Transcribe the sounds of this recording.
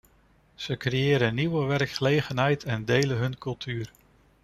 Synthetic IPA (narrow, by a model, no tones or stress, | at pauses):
z̥əkrejɪːɾəniʋəʋɛrkχəlejχənɦɛjtʰɛndejlənɦɵnkɵlˠtʰyːr